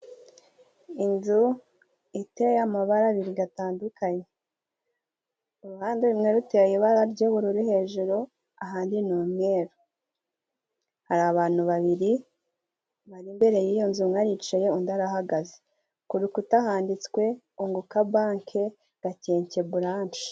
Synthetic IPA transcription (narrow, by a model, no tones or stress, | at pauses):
inzu | itejamaβaɾaβiɾiɡataːndukʰaɲe | uɾuhaːndeɾumŋeɾuteajeβaɾaɾɟeβuɾuɾihe̞ʒuɾo | aɦaːndinuːmŋe̞ːɾu | haɾaβaːn̥huβaβiɾi | βaɾimbe̞ɾe̞jijonzumŋaɾit͡ʃejeundaɾahaɡaze̥ | kuɾukutahaːndit͡skwe̞ | uŋɡukabaːŋkʰe̞ | ɡ̥ace̞ːɲce̞βuɾaːɲt͡ʃi̥